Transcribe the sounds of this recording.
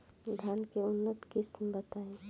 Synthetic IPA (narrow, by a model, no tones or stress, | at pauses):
d̪ʱankeʊnːət̪kɪsmbət̪aẽ